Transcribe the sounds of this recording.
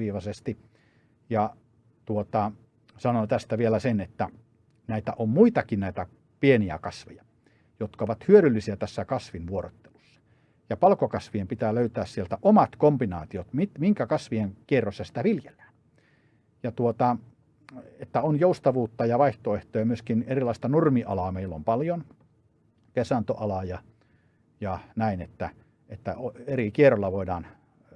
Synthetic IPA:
iːʋɑsest̪i | jɑ | t̪uot̪ɑ | sɑnot̪æst̪æʋielæsenet̪ːæ | næˑit̪æʔommuit̪ɑkinnæˑit̪æ | pieniæ̰kɑsʋejɑ | jot̪kɑoʋɑt̪hyøɾylːisiæt̪æsːækɑsʋinʋuoɾo̰t̪ːe̥lusːɑ̥ | jɑpɑlkokɑsʋiempit̪æːløyt̪æːssielt̪æʔomɑt̪kombinɑ̰ːt̪iot̪mit̪miŋkækɑsʋieŋkierːosːɑsi̥t̪æʋiljelːæ̥ːn | jɑt̪uot̪ɑ | et̪ːæonjoust̪ɑʋuːt̪ːɑjɑʋɑiht̪oeht̪oːjɑmyøskinerilˑɑˑist̪ɑnurmiʔɑlɑːmeilːompɑljon | kesɑnt̪oʔɑlɑjɑ | jɑnæinet̪ːæ | et̪ːæoeɾikierːˑolːɑʋoidɑːn

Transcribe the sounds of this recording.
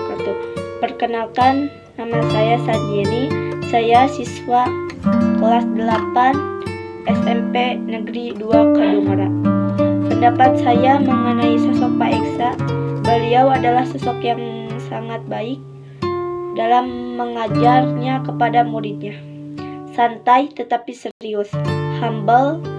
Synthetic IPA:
kat̪upərkənalkanː | amasajasand͡ʒeɾisajasiswa | kəlasdəlapan | ʔɛsɛmpenəɡɾiduakaɦluŋaɾa | pəndapat̪̚sajaməŋənaisɔsɔk̚paɛksabəliawadalahsɔsɔkjaŋsaŋat̪̚baɪk̚ | dalamːəŋad͡ʒarɲakəpadamuɾɪt̪̚ɲa | sant̪ajt̪ət̪apisəɾiʊshambəl

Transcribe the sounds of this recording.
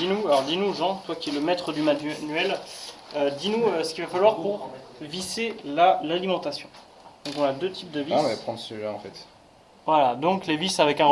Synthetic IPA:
d̪inualɔʁd̪inuʒɑ̃t̪wakʲiɛləmɛt̪χəd̪ymanyɛlød̪inuøsə̥kʲivafalwaʁpuʁviselalalimɑ̃t̪asjɔ̃ | d̪̥ɔ̃kɔ̃nad̪øt̪ʰip̚d̪əvimɛpχɑ̃d̪ʁsəʒaɑ̰̃fɛt̪ | vwalad̪ɔ̃klevisavɛkɛ̃

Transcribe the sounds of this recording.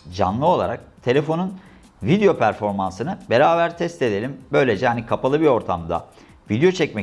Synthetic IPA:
d͡ʒa̰nlˠɯo̞lˠa̰ɾak̚t̪ʰe̞lʲe̞fo̞nun | vid̪ejo̞pʰæɾfo̞ɾmansɯnɯbe̞ɾaːβæɾt̪ʰɛst̪e̞d̪e̞lʲimbø̞jlʲe̞d͡ʒɛhanikʰapalˠɯbio̞ɾt̪ʰamd̪a̰ | vid̪jo̞t͡ʃʰɛcmɛ

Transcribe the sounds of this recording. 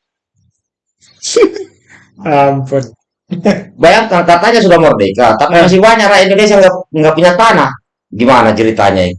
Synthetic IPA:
ampun | bajaŋkaŋkat̪aɲas̬udamɔrdɛkat̪apimas̬iwaɲaɾaindonesiaŋɡaŋɡapuɲat̪ana | ɡimanat͡ʃiɾit̪a̰ɲaḭ

